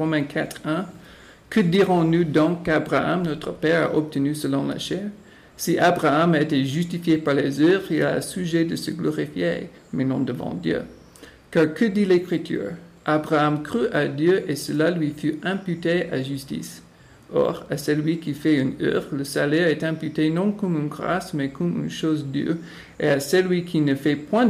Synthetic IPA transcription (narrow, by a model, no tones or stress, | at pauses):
ʁomɛ̃kʰat̪χɛ̃ | kəd̪iʁɔ̃nud̪ɔ̃kːabʁaa̰mnɔt̪χəpɛʁa̰ʔɔb̚t̪ənysəlɔ̃la̰ʃɛʁ | siʔabʁaamaet̪ɛʒyst̪ifjepaʁlezœvʁila̰syʒed̪əsəɡlɔʁifjḛ | menɔ̃d̪əvɑ̰̃d̪jø̰ | kaʁkʰəd̪ilɛkχit̪ʰy̰ʁʔabʁaamkχyʔad̪jøʔesəlalɥifyɛ̃pyt̪eaʒystḭs | ʔɔ̰ʁasɛlɥikifɛynœ̰ʁləsalɛʁɛt̪ɛ̃pyt̪enɔ̃kɔmynɡʁa̰smɛkɔmy̰nʃozd̪y̰ʁ | easɛlwɥikʰinəfɛpwɛ̃